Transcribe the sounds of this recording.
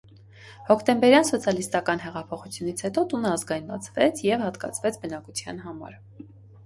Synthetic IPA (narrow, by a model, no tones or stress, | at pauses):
hɔkʰt̪ɛmbɛɾjɑnsɔt͡sʰjɑlist̪ɑkɑnɦɛʁɑpʰɔχut͡sʰjunit͡sʰhɛt̪ɔt̪unəɑzɡɑjnbɑt͡sʰvɛt͡sʰjɛvhɑt̪kɑ̰t͡sʰvɛt͡sʰbənɑkut͡sʰjɑ̰n̪ɦɑmɑ̰ɾ